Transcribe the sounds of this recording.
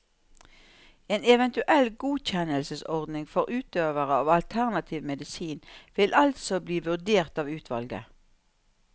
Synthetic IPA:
eːnɛʋɛnt̪ʉʔɛlɡuːc͡çɛnəlsəsɔʁd̪nɪŋfɔʁʉːt̪øːʋəʁəɑːʋɑlt̪ʰæʁnɑt̪ʰiːʋmɛd̪ɪsiːnʋɪlʔɑlt̪sɔbliːʋʉʁd̪eːʁt̪ɑːʋʉːt̪ʰʋɑ̰lɡə̰

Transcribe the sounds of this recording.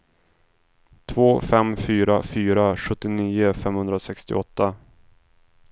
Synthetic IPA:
t̪ʰvoːfɛmfyːɾafyːɾaɧɵt̪ːɪniːʊfɛmhɵnd̪ɾasɛkst̪ɪ̰ʔɔt̪ːa

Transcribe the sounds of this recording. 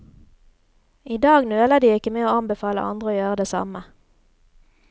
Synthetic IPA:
iːd̪ɑːɡnøːləd̪iːɪkəmeːoːɑnbəfɑːlə̰ʔɑ̰nd̪ʁəoːjøːʁəd̪eːsɑ̰mə

